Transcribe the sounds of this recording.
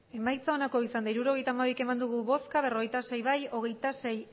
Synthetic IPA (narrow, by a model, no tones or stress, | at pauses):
e̞majt͡sao̞nako̞isand̪aiɾuɾo̞ɣ̞e̞jt̪aːmaβike̞mand̪uɣuβo̞skaβe̞ro̞ɣe̞jt̪ase̞jβajo̞ɣ̞e̞jt̪ase̞j